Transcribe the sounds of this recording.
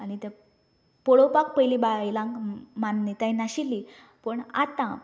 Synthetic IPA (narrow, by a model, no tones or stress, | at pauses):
anit̪e | poɽopak̚pəjlibajlãŋɡmanːit̪aĩnaɕilːi | pəɳa̰t̪ã